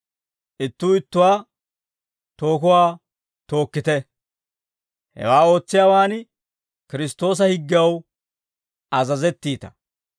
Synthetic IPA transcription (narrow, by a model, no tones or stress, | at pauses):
ʔɪt̪ːuːɪt̪ːʊwaː | t̪o̞ːkʊwaː | t̪o̞ːkːɪt̪ɛ | hɛ̰waːo̞ːt͡sːɪjaːwaːn | kɪɾɪst̪o̞ːs̬ɐhɪɡːɪɐw | ɐzɐzɛt̪ːiːt̪ɐ̥